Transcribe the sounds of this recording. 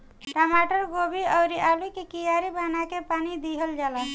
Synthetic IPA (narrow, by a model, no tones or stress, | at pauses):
ʈamaʈəɾɡobiəwɾiʔalikekijaɾibanakepanid̪iɦəld͡ʒala